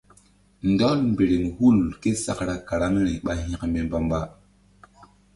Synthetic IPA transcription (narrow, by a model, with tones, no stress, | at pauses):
n˨dɔ˦lm˨be˨ɾe˨m˨hu˦˨lke˦sa̰˨kɾa˨ka˨ɾa˦me˦ɾĩ˨ɓa˦ɦĩ˦kme˨mba˦mba˦